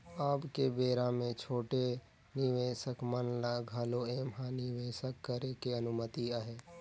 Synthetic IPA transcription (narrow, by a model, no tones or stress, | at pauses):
aːpkebeːɾamẽt͡ʃʰoːʈe | nɪʋeːʃəkmənlaɡʱaːloeːmɦãniʋeːsəkːəɾekeɐnʊmət̪iaɦeː